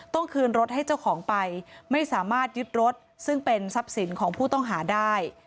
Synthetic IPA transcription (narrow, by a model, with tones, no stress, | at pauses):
t̪ɔ˥˩ŋkʰɯː˧nɾo˦˥t̪̚ha˥˩jt͡ɕa˥˩wkʰɔː˩˦ŋpa˧jma˥˩jsaː˩˦maː˥˩t̪̚jɯ˦˥t̪̚ɾo˦˥t̪̚ | sɯ˥˩ŋpe˧nsa˦˥p̚si˩˦nkʰɔː˩˦ŋpʰuː˥˩t̪ɔ˥˩ŋɦaː˩˦daː˥˩j